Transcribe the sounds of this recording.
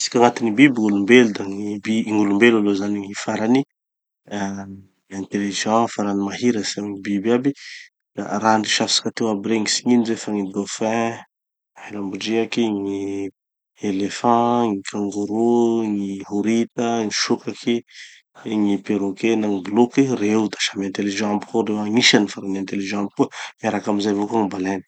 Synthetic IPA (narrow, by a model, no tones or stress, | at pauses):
si̥kʲaŋat̪inibibiŋulumbelud̪aŋibiŋulumbelalozaniŋifaɾani | ɛ̃nt̪elevizãfaɾanimaɦiɾəsiamɲibibabi | a̰ɾaɳɖ͡ʐiʃafsḁkat̪ewabiɾeŋisi̥ɲinizefaŋid̪ofɛ̃ | ahelambuɖ͡ʐiakiŋi | elefɑ̃ŋikʰãŋɡuɾuŋiɦuɾit̪əŋiʃukaki | ŋipeɾokenaŋiblokirewut̪ḁʃamɛ̃nt̪eliʒãampu̥kodewaŋiʃanifaɾamɛ̃nt̪eliʒãamp̚kuəmaɾakamizajvokaŋibalenə̥